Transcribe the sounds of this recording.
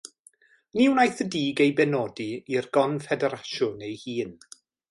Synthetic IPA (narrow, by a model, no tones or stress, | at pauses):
niwnajθədiːɡejbɛnɔːdiirɡɔnfɛdɛɾaʃʊnejhiːn